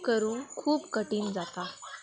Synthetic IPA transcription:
kəɾuːnkʰuːpkəʈiːnd͡zat̪a

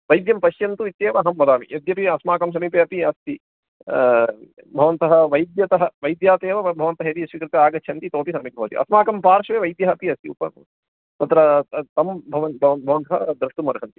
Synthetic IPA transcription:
ʋɐjd̪jɐmpɐʃjɐnt̪uit̪jeːʋɐɦɐmːɐd̪aːmḭjɐd̪jɐpiɐsmaːkɐms̬ɐmiːpeɐpiɐst̪i | bʱɐʋɐnt̪ɐɦɐʋɐjd̪jɐt̪ɐɦɐʋɐjd̪jaːt̪eːʋɐbʱɐʋɐnt̪ɐɦeɾiɐsʋikɾɨt̪ɐaːɡɐtːʃʰɐnt̪it̪oːpisɐmik̚bɐʋɐt̪ḭʔɐ̰smaːkɐmpaːɾʂʋeːʋɐjd̪jɐɦɐpiɐst̪iupɐ̰n | t̪ɐt̪ɾɐt̪ɐmbʱɐʋɐnbʱɐʋɐnbʱɐʋɐnt̪ɐɦɐ̰d̪ɾɐʂʈ̪umɐɾɐʃɐnt̪i̥

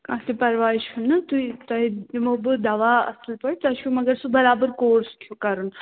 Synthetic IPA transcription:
kɐt̪epɐɾʋaːɾiʃʰunːɨt̪uit̪ɐiimobɨd̪ɐʋaːɐ̰slpɐɽit̪ɐʃʰumɐɡɐɾsubɐɾaːbəɾkoːɾstʰjukɐɾun

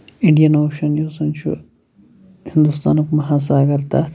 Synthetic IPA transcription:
ĩɳɖijɐnoːkʃɐnjuːsunt͡ʃʰṵ | hind̪ust̪a̰ːnɐkmɐɦas̬aːɡɐɾt̪a̰t̪ʰ

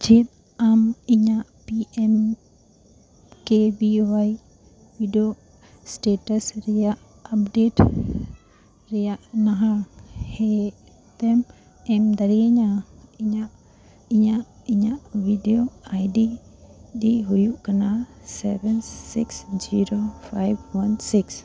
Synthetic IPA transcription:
d͡ʒʰet̪̚ | amiɲaʔpiɛm | kebiwaj | biɖijo | sʈeʈasɾɛjaʔ | ap̚ɖeʈ | ɾɛjaʔnaɦãhɛ | t̪ɛm | ɛmd̪aɾiəɲaiɲaʔ | iɲaʔiɲaʔbʱiɖijoajɖiɗiɦujuʔkanasɛbɛnsḭksd͡ʒiɾopʰajbwansiks

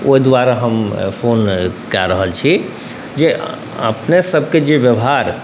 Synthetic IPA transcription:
o̰id̪waɾaɦəmpʰonkaɾəɦəlt͡ʃʰi | d͡ʒeʔ | ə̰pnesəbʱked͡ʒebjəbɦaɾ

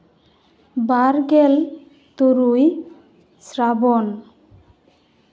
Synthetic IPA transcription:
baɾɡɛl | t̪uɾuj | sɾabɔn

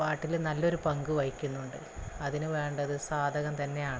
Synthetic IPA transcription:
paːʈːilnɐlːo̞ɾupɐŋɡɨʋɐɻikʲːunːuɳɖɨ | ɐðinɨʋe̞ːɳɖɐðɨsaːd̪ʱɐɣɐmt̪ɐnːe̞jaːɳɨ

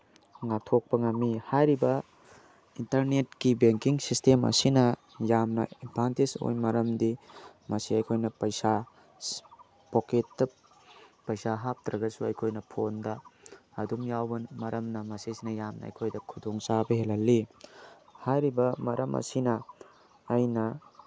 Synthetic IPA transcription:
ŋatʰok̚pɐŋamːihajɾibɐ | intɐɾnet̚kibeŋkiŋsistemɐ̰sinɐ | jamnɐ̰ipʰantiso̰jmɐɾɐmdimɐsiɐjkʰojnɐpɐjsa | poketdɐ | pɐjsaɦap̚tɾɐɡɐsuɐjkʰojnɐpʰondɐːdumjawbɐnmɐɾɐmnɐmɐsisinɐjamnɐɐ̰jkʰojdɐkʰudoŋsabɐɦelɐlːi | hajɾibɐmɐɾʔɐmʔɐ̰sinɐː | jnɐ

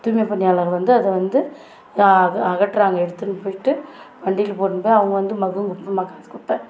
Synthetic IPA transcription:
t̪uːjmepːɐnːɪjaːlaːɣɐʋɐnd̪ɯɐðɛʋɐnd̪ɯ | ɐɣɐʈːɾaːŋɡɐɛɽɯt̪ːɯnːɯpoːjɪʈːɯpɐɳɖɪjɪlpoːɾnpoːjɐʋɐŋɡɐʋɐnd̪ɯmɐɣɯŋɡʊʈpːɐmaːkaːt̪ːɯ̥kːʊpːẽː

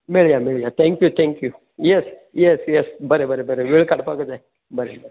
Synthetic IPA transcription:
mɪɭjamɪɭjat̪ʰɛ̃ŋkjut̪ʰɛ̃ŋkju | jɛs | jɛsjɛsbəɾebəɾebəɾeʋɪɭkaɽpaɡd̪ae | bəɾebəɾe

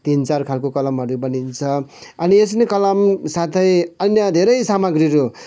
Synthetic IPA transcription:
t̪int͡sarkʰalkokʌlʌmɦʌɾubʌnint͡sʰʌʌnies̬nekʌlʌmsat̪ʰʌjʌnjʌd̪ʱeɾʌjsamʌɡriɾo

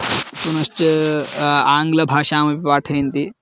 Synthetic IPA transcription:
punɐst͡ʃɐ | aːŋɡlɐbʱaːʃaːmɐpipaːʈʰɐnt̪iː

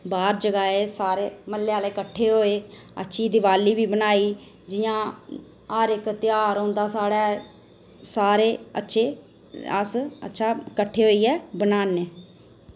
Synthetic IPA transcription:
baːɾd͡ʒəɡaːeːsaːɾeːməlːeːaːleːkəʈʰːeːɦoːeːə̰tːʃʰiːd̪ɪʋaːliːbiːbənaːiː | d͡ʒɪjãː | aːɾɪkt̪ɪjaːɾõːnd̪aːsaːɽaː | saːɾeːə̰tːʃʰeː | ə̰sə̰tːʃʰaːkəʈʰːeːɦoːiːɛːbənaːneː

